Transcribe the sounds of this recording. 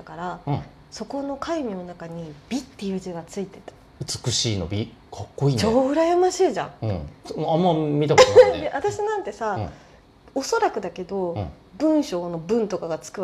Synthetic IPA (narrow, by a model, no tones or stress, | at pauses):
akaɾa | so̞ko̞no̞kʰaimʲino̞nakaɲ̟ibʲit̪ːe̞jɯ̟ːd͡ʑiɡat͡sɨit̪e̞t̪ḁ | ɯ̟t͡sɨ̥kɯ̟ɕiːno̰bʲi | kʰɑkːoiːt͡ɕoːɯ̟ɾajamaɕiːʑã̰sõamːamʲit̪akd̪eʔat̪aɕinãnt̪e̞sa | o̞so̞ɾakɯ̟d̪ake̞d̪o̞ | bɯ̟̃ɰ̃ɕo̞ːno̞bɯ̟̃nt̪o̞kaɡat͡sɨ̥kɯ̟